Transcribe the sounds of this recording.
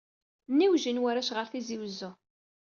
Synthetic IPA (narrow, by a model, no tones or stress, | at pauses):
nːiwʒənwæɾæʃʁəɾθiziwzʊ